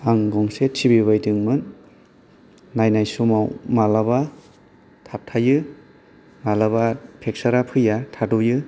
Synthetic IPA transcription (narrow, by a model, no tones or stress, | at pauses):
aŋɡɔŋsetʰibiβajdɯŋmɯn | ajnajsumawmalaba | tʰap̚tʰajɯ | malabapʰek̚saɾapʰɯjatʰadɔjɯ